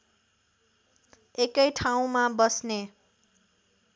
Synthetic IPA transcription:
ekʌjʈʰaw̃mabʌsne

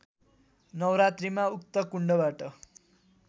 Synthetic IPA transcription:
nʌwɾat̪rimauk̚t̪ʌkuɳɖʌbaʈʌ

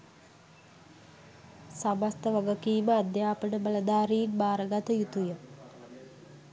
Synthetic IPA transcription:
samast̪əʋaɡəkiːməad̪jaːpənəbələd̪aːɾiːnbaːɾəɡat̪əjut̪ujə

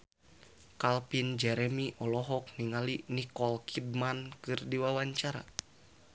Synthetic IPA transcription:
kalpind͡ʒɛɾɛmiʔɔlɔɦɔk̚niŋalinikɔlkʰid̚mankɨrdiwawaɲt͡ʃaɾa̰

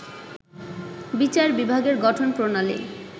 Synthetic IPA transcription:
bit͡ɕaɾbibʱaɡeɾɡɔʈʰonpɾonalḛ

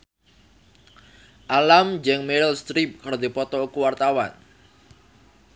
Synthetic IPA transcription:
ʔalamd͡ʒɛŋmeɾlst̪ɾip̚kaɾod̪ipɔt̪ɔukuwart̪awa̰n

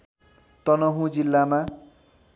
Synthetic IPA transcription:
t̪ʌnʌɦũd͡zilːama

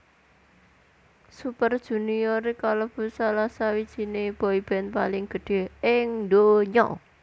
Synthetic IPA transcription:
supərd̥ʒ̥ṳniɔɾekaləb̥ṳsalasawid̥ʒ̥i̤neb̥ɔ̤ib̥ɛ̤npa̰lɪŋɡ̥ə̤ɖ̥e̤ɦɪŋd̪oɲɔ̰ʔ

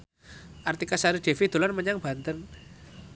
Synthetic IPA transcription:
ʔart̪ikasaɾiɖ̥e̤fid̪̥o̤lanməɲaŋb̥a̤nt̪ən

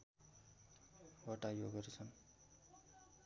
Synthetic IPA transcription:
bʌʈajoɡʌɾit͡sʰʌn

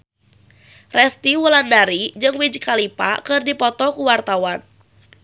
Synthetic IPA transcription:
rɛst̪iwulandaɾid͡ʒɨŋwid͡ʒkalipa̰kɨrdipɔt̪ɔkuwart̪awan

